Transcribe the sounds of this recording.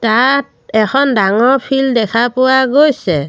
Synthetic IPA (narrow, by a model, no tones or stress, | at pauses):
tat̚ | ɛxʰɔndaŋɔɹpʰildɛkʰapʊwaɡojsɛ